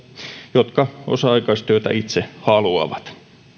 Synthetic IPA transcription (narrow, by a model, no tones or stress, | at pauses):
jot̪kɑosɑɑikɑist̪yøt̪æ̰ʔit̪sehɑluɑ̰ʋɑt̪